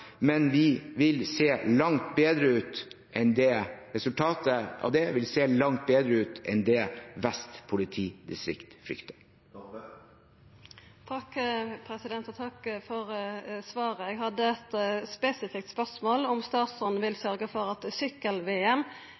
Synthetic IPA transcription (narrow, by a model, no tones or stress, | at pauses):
mɛnʋɪʋɪlseːlɑŋt̪beːd̪ɾəʉːt̪ | ʔɛnd̪ɛɾɛsʉlt̪ʰɑːt̪əʔɑ̰d̪ɛʋɪlseːlɑŋt̪̚beːd̪ɾəʉːt̪ɛ̰nd̪ɛʋæst̪pʰʊlɪt̪ʰiːd̪ɪst̪ɾɪ̰kt̪fɾʏ̰kt̪ə̥ | t̪ʰɑkpʰɾɛsɪd̪ɛnt̪ɔt̪ʰɑkfɔʁsʋɑːɾəɛɡhɑd̪ːəɛt̪spɛsɪfɪk̚t̪spœʁsmoːlɔmst̪ɑːt̪sɔnʋɪlsœɾɡəfɔɾɑt̪sʏkːəlʋeːɛm